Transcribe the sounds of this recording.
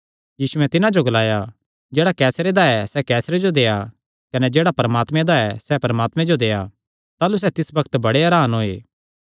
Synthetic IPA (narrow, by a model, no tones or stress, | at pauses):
jiːsuɛ̃t̪ɪnãd͡ʒoɡɐlaːja | d͡ʒeːɽakɛːsɾed̪aɛsɛkɛːsɾed͡ʒod̪eːja | kɐnɛd͡ʒeːɽapɐɾəmaːt̪mẽd̪aɛsɛpɐɾəmaːt̪mẽd͡ʒod̪eːa | t̪aːlus̬ɛt̪ɪsbɐkʰə̥t̪bɐɽeɐɾaːnɦoːḛː